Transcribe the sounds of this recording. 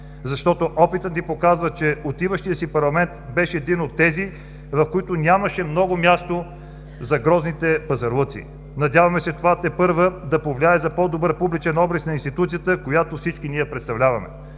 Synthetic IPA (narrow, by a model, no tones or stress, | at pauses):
zɐʃt̪ɔt̪oʔɔpit̪ət̪nipokazvət͡ʃɛot̪ivəʃt̪ijəsipɐɾlˠɐmɛnt̪bɛʃɛːd̪inot̪ːɛzi | vɐfkoit̪onʲamɐʃɛmnɔɡomjast̪o | zɐɡɾɔznit̪ɛpɐzɐɾlˠɤt̪sḭ | nɐd̪ʲavɐmɛsɛt̪ovat̪ɛpɤɾvəd̪ɐpovlʲiaɛzɐpɔd̪obɤɾpublit͡ʃɛnɔbɾɛsnɐinst̪it̪ut̪sijət̪əkojat̪ofsit͡ʃkiniɛpɾɛt̪st̪ɐvlʲavɐmɛ̰